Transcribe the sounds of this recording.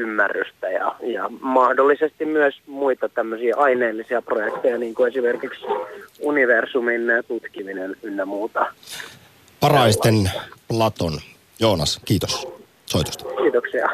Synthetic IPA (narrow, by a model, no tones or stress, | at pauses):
ymːærːyst̪æjɑ̰jɑ̰mɑhdolːisest̪immyøsmuit̪ɑt̪æmːøsiːʔɑineːlːisiɑprojekt̪ejɑniːŋkuesimerkiksuniʋersumint̪ut̪kiminenylːæmuːt̪ɑ | pɑrɑist̪enplɑt̪on | jo̞ːnɑskiːt̪os | soit̪u̥st̪ɑ̥kiːt̪oksiɑ̰